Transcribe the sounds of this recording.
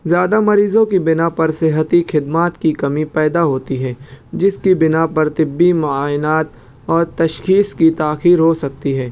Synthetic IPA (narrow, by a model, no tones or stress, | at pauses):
zjaːd̪amɐɾiːzõkibɪnapɐɾsɪɦət̪ixʰɪd̪maːt̪kikɐmĩpɛːd̪aɦoːt̪iɦɛ̃ːd͡ʒɪskibɪnapɐɾt̪ɪbːimʊaːɪnaːt̪̚ | ɔːɾt̪ɐʃxiːskit̪aːxiːɾɦosɐk̚t̪iɦɛː